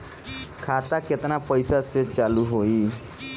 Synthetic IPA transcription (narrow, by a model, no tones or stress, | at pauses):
kʰaːt̪aket̪napəjsaset͡ʃaːluɦoi